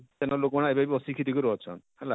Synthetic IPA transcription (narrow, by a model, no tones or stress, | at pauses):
t̪enɔlokmaɽaebabiɔsikʰit̪ikuɾɔɦɔt͡ʃʰɔ̰n | ɦɛla